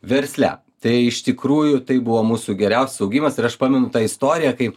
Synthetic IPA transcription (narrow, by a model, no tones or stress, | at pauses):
ʋʲɛɾʲsʲlʲæ̰ | t̪ɐɪɪʃt̪ʲɪkɾuːjʊt̪ɐɪbʊʋoːmuːsuɡʲɛɾʲɛʊsʲɛsɐʊɡʲiːmɐsɪɾɐʃpɑːmʲɛnʊt̪ɑːɪst̪oːɾʲɪjækɐɪ